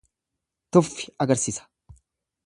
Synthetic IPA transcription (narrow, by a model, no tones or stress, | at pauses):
t̪ʊfːɪ̥ɐɡɐɾsiːsɐ̥